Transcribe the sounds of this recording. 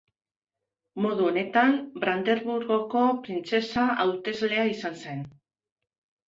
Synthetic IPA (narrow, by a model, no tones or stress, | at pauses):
mo̞ðuo̞ne̞t̪ambɾand̪e̞ɾβuɾɣo̞ko̞pɾint͡se̞saʔawt̪e̞zle̞aisanse̞n